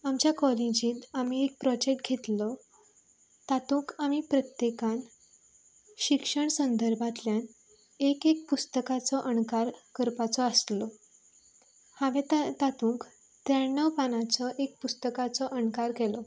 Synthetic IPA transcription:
amt͡ɕjakɔlĩd͡ʑĩːt̪amiek̚pɾɔd͡ʑek̚ʈɡʱet̪lɔ | t̪at̪ũːkamipɾət̪jekãn | ɕikʂəɳsənd̪əɾbʱat̪ljan | ekek̚pust̪əkat͡sɔʔənkaɾkəɾpat͡sɔəst̪lɔ | haʋẽt̪t̪at̪ũːk | t̪ɾaɳːəwpanat͡sɔʔek̚pust̪əkat͡sɔʔənkaɾɡʱɛlɔ

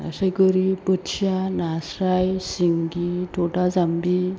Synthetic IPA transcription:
səjkɔɾipətsanasɾajsiŋɡit̪ʰoʈad͡zambi

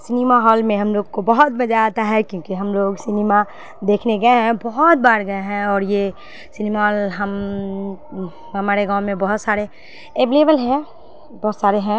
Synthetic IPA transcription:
sɪnimaɦɔːlmẽɦɐmloːɡkobɐɦʊt̪̚mɐd͡ʒaaːt̪aɦɛkjõːkiɦɐmloːɡsɪnima | d̪eːkʰneɡɐeɦɛ̃bɔɦɔt̪̚baːɾɡɐeɦɛ̃ɔːɾje | sɪnimaɦɔːlɦɐm | ɦɐmaːɾeɡãːwmẽbɐɦʊt̪saːɾe | eːbleːbəlɦɛ̃ | bɔːt̪saːɾeɦɛ̃

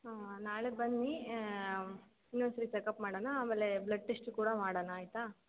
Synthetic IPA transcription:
anaːɭebɐnːi | inːoːnsɐɾit͡ʃekɐpmaːɽɐnaaːmeːleblɐɖːeʂʈkuːɽɐmaːɽɐnaːjit̪a

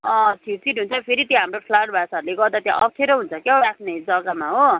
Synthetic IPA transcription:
ʌ̃sʰit͡siʈɦunt͡sʰʌpʰeɾit̪jãɦamropʰlaʈ̚bʱasaʌɾuleɡʌrd̪at̪jã̰ʔʌkʰeɾʌɦunt͡sʰʌkjɦoɾakʰned͡zʌɡamaɦo

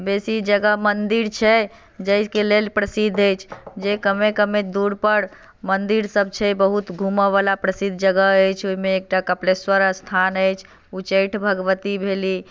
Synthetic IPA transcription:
besid͡ʒəɡəɦmənd̪iɾt͡ʃʰɛ | d͡ʒəɪskelelpɾəsid̪ʱəjt͡ʃʰd͡ʒekəmekəmed̪uɾpəɾ | mənd̪iɾsəb̚t͡ʃʰɛbəɦut̪ɡʱuməβalapɾəsid̪ʱd͡ʒəɡəɦəjt͡ʃʰoɦimeːk̚ʈakəpleswəɾəst̪ʰanəjt͡ʃʰ | ut͡ʃəjʈʰbʱəɡəʋət̪ibʱeli

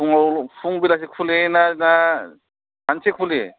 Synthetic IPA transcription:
uŋapʰuŋbilas̬ekʰulenana | ansekʰule

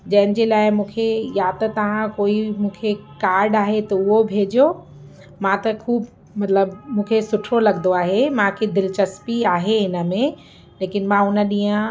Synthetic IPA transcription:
d͡ʑɐ̃ɦɪnɪ̆d͡ʑelaːɪmũːkʰejaːt̪ɐt̪ɐʋ̤ãkoːimũːkʰekaːɾɖaːɦet̪ɐʊɦobʱeːd͡ʑijo | mãt̪ɐkʰuːb | mɐt̪ləbmũːkʰesʊʈʰolɐɡnd̪oaːɦemãkʰed̪ɪlt͡ɕɐspiaːɦeɦɪnə̆mẽ | leːkɪnmãʊnə̆ɗĩːə̃

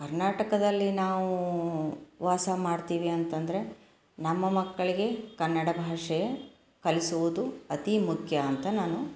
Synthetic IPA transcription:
kɐɾnaːʈɐkɐd̪ɐlːinaːʋu | ʋaːsɐmaːɖt̪iːʋiɐnt̪ɐnd̪ɐɾe̞ | nɐmːɐmɐkːɐɭiɡe̞kɐnːɐɽɐbʱaːʂɛjɐ | kɐlisuʋud̪uɐt̪imukʰjɐːnt̪ɐnaːnu

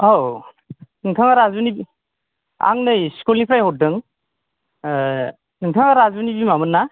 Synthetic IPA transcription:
aw | nɯŋtʰɯŋaɾazunibi | a̰ŋnɯjskulipʰɾajhɔt̚dɯŋ | nɯŋtʰɯŋaɾazunibimamɯnːa

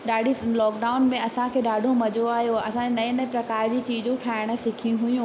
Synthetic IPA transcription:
ɗaːɖʱilɔːkɖaːʊnmẽɐsãkʰeːɗaːɖʱomɐd͡ʑʱoaːɦjoɐsãenɐ̃ĩnɐ̃pɾɐkaːɾd͡ʑiːt͡ɕiːd͡ʑũʈʰaːɪɽ̃ə̆sɪkʰijũɦʊjũː

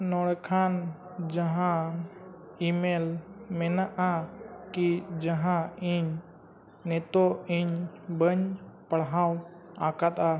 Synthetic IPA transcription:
nɔɽɛkʰan | d͡ʒaɦã | imɛlmɛnaʔakid͡ʒəɦãiɲ | nɛt̪ɔiɲbəɲpəɽɦãw | ã̰kat̪a

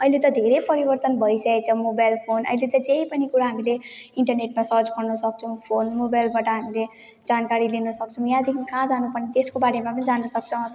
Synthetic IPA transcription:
ʌilet̪ʌd̪ʱeɾepʌɾibʌrt̪ʌnbʱʌjsʌket͡sʰʌmobajlpʰonʌ̰ilet̪ʌd͡zeipʌnikuɾaɦamileiɳʈʌrneʈmasʌɾd͡zpʌrnʌsʌk̚t͡sʰʌw̃pʰonmobajlbaʈʌɦamile | d͡zankaɾilinʌsʌk̚t͡sʰʌw̃jãd̪ikʰikãd͡zanupʌrnet̪eskobaɽemapʌnid͡zanʌsʌk̚t͡sʰʌw̃ʌt̪

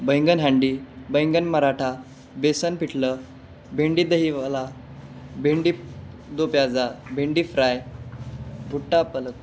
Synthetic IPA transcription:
bəjŋɡənɦãɳɖiːbəjŋɡənməɾaʈʰa | besənpiʈʰlə | bʱeɳɖiːd̪əɦiʋala | bʱeɳɖiː | d̪opjad͡zabʱeɳɖiːfɾaj | bʱuʈːapələk

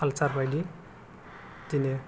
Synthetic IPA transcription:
alt͡sarbajli | t̪ine

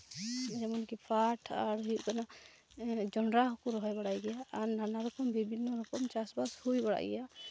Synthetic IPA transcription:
d͡ʒɛmɔnkipʰaʈʰaɾɦikana | d͡ʒɔnɾaɦɔkuɾɔɦɔjbaɽajɡɛjaːɾnanaɾɔkɔmbibʱinːɔɾɔkɔmt͡ʃasbashujbaɽa̰jɡɛ̰ja

